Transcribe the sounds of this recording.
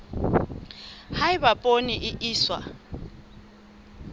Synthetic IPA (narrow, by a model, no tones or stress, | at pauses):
haɪβapʼoniʔɪʔiːswa̰